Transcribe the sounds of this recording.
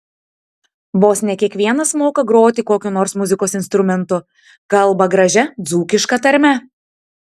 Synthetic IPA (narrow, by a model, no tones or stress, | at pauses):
boːsʲnʲɛkʲiɛkʋʲiɛnɐsmoːkɐɡɾoːt̪ʲɪkoːkʲʊnoːɾsmʊzʲɪkoːsɪnst̪ɾʊmʲɛnt̪ʊ | kɐlˠbɐɡɾɐʒʲɛd̪zuːkʲɪʃkɐt̪ɐɾʲmʲɛ